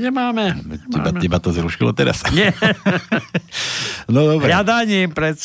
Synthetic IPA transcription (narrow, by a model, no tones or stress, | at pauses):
ɲɛmaːmɛcɛbaɛbat̪ozɾuʃilo̰t̪ɛɾa̰sɲɛ | nod̪obɾɛad̪aɲimpɾɛs